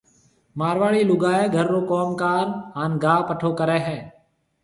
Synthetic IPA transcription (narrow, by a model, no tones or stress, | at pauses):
maːɾʋaːɭiːlʊɡaːeːɡʱəɾːoːkɔːmkaːɾaːnɡaːpəʈʰoːkəɾeːɦɛ̃ː